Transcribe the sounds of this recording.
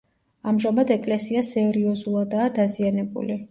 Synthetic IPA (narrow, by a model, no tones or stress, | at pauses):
amʒamad̪ɛkʼlɛsiasɛɾiɔzulˠad̪aːd̪azianɛbṵli